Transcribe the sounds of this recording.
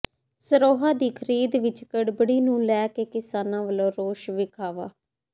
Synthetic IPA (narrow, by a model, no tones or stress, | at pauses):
səɾoːɦaːd̪iːkʰəɾiːd̪ʋɪt͡ʃkəɽbəɽiːnũːlɛːkeːkɪsaːnãːʋəlõːɾoːʃʋɪkʰaːʋaː